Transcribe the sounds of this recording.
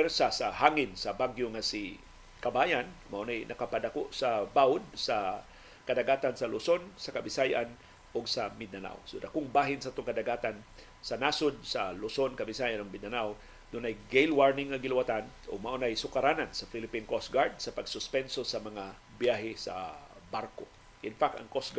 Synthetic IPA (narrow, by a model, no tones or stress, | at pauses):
ɛɾsasahaŋɪnsɐbaɡjoŋasi | kabajanmaʔonajnʔɐkapad̪akoʔsabaʊd̪̚sa | kɐd̪aɡaːt̪ansɐlʊsonsɐkabɪsajʔan | ʔoɡsɐmɪd̪ana̰wsod̪akʊŋbaːɦɪnsaʔat̪ʊŋkɐd̪aɡaːt̪an | sɐnasʊd̪̚sɐlʊsonkɐbɪsajanʊɡmɪd̪anaw | d̪unajɡejlwaɹnɪŋːɐɡɪlɪwat̪anʔoɡ̚maʔonajsʊkaɾanansɐfilɪpinkosɡaɹd̪̚sɐpɐɡsʊspɛnsosɐmɐŋa | bjaɦɪsɐ̰baɾko | ʔɪnfak̚t̪ɐ̰ŋkosɡ